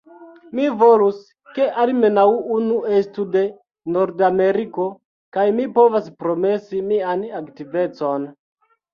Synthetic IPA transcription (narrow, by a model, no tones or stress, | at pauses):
mivolus | ke̞ʔalmenawunuestude̞ | no̞ɾdame̞ɾiko̞ | kajmipo̞vaspɾo̞me̞simianaktive̞t͡so̞n